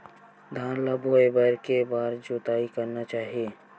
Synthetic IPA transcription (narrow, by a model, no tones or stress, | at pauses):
d̪ʱãːnlaboebəɾkebaːɾd͡ʒoːt̪aːikəɾnat͡ʃaːɦieː